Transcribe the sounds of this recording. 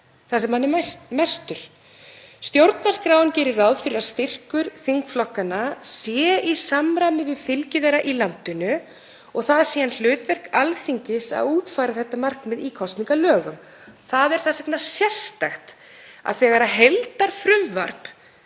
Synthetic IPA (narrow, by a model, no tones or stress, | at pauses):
θasɛmhanːɪmast̪ʏɾ̥ | st̪jowɾt̪naɾ̥skɾaːwʏncɛːɾɪrawðfɪɾɪɾaðst̪ɪr̥kʏɾ̥θiŋkflɔhkanːasjɛisamɾamɪvɪðfɪlcɪðɛɾaʔilant̪ʏnʏ | ɔɣθað̥siːanl̥ʏːt̪vɛr̥kalθiɲcɪsa̰ðuːt̪fajɾaθɛht̪ːamar̥knmɛðiːkʰɔst̪niŋkalœːɣʏm | θaðɛɾ̥θasɛknasjɛr̥st̪axt̪ | a̰ðθɛːɣaɾaɦelt̪aɾ̥fɾʏmva̰ɾp